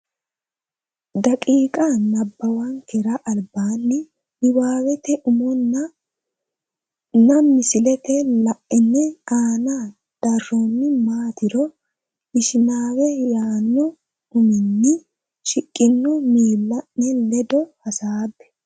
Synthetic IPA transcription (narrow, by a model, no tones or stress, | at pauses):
d̪ɐkʼiːkʼanɐbːɐwɐnkɛɾɐʔɐlbaːnːɪ | ɪwaːwɛt̪ɛʔʊmɔnːɐ | nɐmːɪsɪlɛt̪ɛlɐʔɪnːɛaːna | d̪̥ɐrːɔnːɪmaːt̪ɪɾɔ | ɪʃɪnaːwɛjaːnːɔ | ʊmɪnːɪ | ʃɪkʼːɪnːɔmiːlːɐnnɛlɛd̪ɔhɐsaːbːɛ̥